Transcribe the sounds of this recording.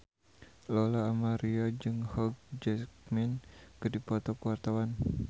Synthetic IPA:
lɔlaːmaɾiad͡ʒɨŋhɔɡ̚d͡ʒɛk̚minkɨdipɔt̪ɔkəwart̪awan

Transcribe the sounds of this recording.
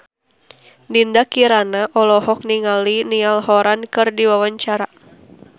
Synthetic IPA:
nindakiɾanaʔɔlɔhɔk̚niŋalinialhɔɾankɨrdiwawaɲt͡ʃaɾa

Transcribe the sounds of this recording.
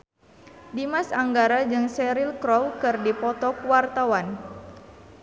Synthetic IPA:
dimasaŋɡaɾad͡ʒɨŋsɛɾilkɾɔwkɨrdipɔt̪ɔkwart̪awan

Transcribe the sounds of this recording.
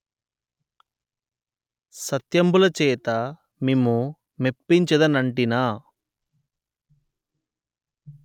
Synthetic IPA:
sɐt̪jɐmbulɐt͡ʃɛːt̪ɐ | mimu | mepːiɲt͡ʃɐd̪ɐnɐɳʈinaː

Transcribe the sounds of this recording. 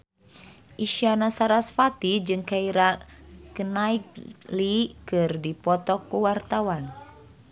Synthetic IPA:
ʔiʃianasaɾasfat̪id͡ʒɨŋkaiɾakənaik̚likɨrdipɔt̪ɔkːuwart̪awan

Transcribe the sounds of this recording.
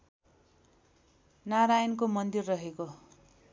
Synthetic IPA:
naɾajʌnkomʌnd̪irːʌɦeko

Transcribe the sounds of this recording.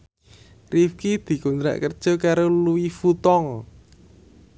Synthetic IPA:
rifkid̪̥i̤kunt̪ɾa̰ʔkərd̥ʒ̥ɔ̤kaɾoluwifut̪ɔŋ

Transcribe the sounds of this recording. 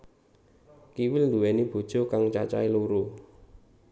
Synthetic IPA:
kiwɪlnd̪uwɛnib̥o̤d̥ʒ̥o̤kaŋt͡ʃat͡ʃa̰iluɾu

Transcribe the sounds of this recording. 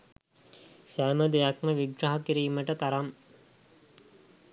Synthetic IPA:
sæːməd̪ejakməʋiɡɾaɦakiɾiːməʈət̪aɾam

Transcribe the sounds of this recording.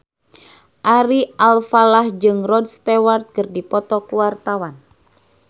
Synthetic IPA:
ʔaɾialfalahd͡ʒɨŋrɔd̚st̪ɛwart̪̚kɨrdipɔt̪ɔkuwart̪awan

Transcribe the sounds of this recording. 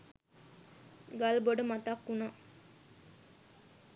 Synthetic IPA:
ɡalboɖəmat̪akːuna

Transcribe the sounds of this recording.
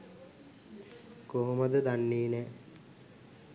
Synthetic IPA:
koɦuməd̪əd̪anːiːnɛ

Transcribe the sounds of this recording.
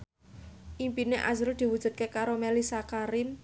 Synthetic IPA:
ʔimpineʔa̰zɾud̪̥i̤wud̥ʒ̥ṳd̪̚kekaɾomelisakaɾɪm

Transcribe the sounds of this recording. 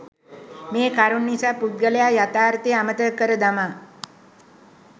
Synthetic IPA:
meːkaɾuɳːisapud̪̚ɡəljajat̪aːɾt̪eamət̪əkəɾəd̪ama

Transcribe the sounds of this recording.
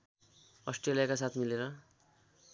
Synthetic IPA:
ʌsʈrelijakasat̪ʰmileɾʌ

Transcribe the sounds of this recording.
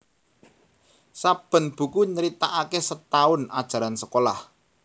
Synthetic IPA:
sab̥ə̤nb̥ṳkuɲəɾit̪aʔakesət̪aʊna̰d̥ʒ̥a̤ɾansəkolah

